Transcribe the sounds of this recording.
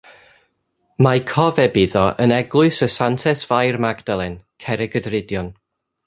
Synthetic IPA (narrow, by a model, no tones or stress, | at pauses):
makʰɔvɛbɪðɔʔənɛɡlˠʊɨsəsantʰɛsv̥ajrmaɡdalˠɛnkʰɛɾɛɡədrɪdjɔn